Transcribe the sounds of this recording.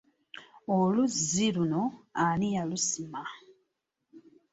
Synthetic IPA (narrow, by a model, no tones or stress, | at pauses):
oluzilunoanijalusima